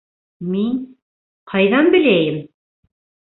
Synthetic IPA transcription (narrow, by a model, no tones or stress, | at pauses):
min | qʰɑjðɑnbɘ̆læjɘm